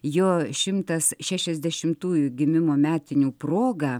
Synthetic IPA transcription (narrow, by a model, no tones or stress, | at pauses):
joːʃʲɪmt̪ɐsʃʲæʃʲɛzʲd̪ʲɛʃʲɪmt̪uːjuɡʲɪmʲɪmoːmʲæːt̪ʲɪnʲuːpɾoːɡɐ